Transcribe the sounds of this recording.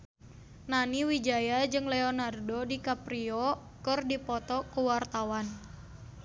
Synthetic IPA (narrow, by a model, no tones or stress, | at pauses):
naniwid͡ʒajad͡ʒɨŋlɛɔnardodikapɾiɔ | kɨrdipɔt̪ɔkuwart̪awan